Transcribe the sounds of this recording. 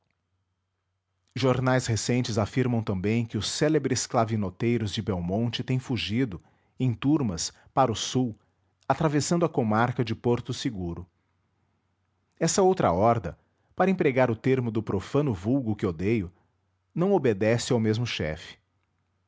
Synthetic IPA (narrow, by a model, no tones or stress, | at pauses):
ʒoɾnajshesẽnt͡ʃɪzafiɾmɐ̃w̃t̪ɐ̃mbẽj̃kɪʊsɛlebɾɪsklavinot̪ejɾʊzd͡ʒɪbɛwmõnt͡ʃɪt̪ẽj̃fuʒid̪ʊ | ẽj̃t̪uɾmɐs | paɾʊsuw | at̪ɾavesɐ̃nd̪ʊɐkomaɾkɐd͡ʒɪpoɾt̪ʊsɪɡuɾʊ | ɛsɐowt̪ɾɐ̰ɔɾd̪ɐ | paɾɐẽpɾeɡaɾʊt̪eɾmʊd̪ʊpɾofɐ̃nʊvuwɡʊkɪod̪ejʊ | nɐ̃w̃obed̪ɛsɪawmezmʊʃɛ̰fɪ̥